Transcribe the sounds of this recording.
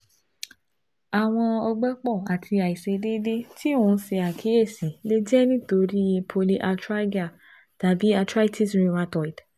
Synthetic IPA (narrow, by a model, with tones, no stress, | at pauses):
a˨w̃ɔ̃˧ɔ˧ɡ͡bɛ˦k͡pɔ˦˨a˨tʰi˧a˨i˨se˧de˦de˦tʰi˦ũ˧˦se˧a˨kʰi˨˦e˦˨si˨˦le˦d͡ʒɛ˦nĩ˦to˧ɾi˦˧pʰo˧li˦ʔa˧tɾa˦ɡa˦˨ | ta˨˦bi˨˦a˧tɾa˦i˦tʰi˦sɾĩ˧mã˧˦tɔ˨i˨d